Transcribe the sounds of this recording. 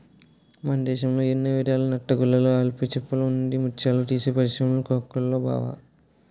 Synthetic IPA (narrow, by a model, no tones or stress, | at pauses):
mɐnd̪ɛːʃɐmloːenːɐʋiɾjaːlunɐʈːɐɡulːɐloːaːlput͡ʃɛpːɐlund̪imut͡ʃaːluʈiːsepɐɾʃɐmlukoːkːɐlloːba̰ːʋa̰